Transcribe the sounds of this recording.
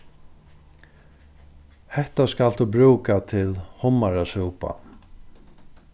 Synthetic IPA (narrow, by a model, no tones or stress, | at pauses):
hɛht̪askalt̪ubɾuːkat̪ʰɪlhʊmːaɾasuwpa̰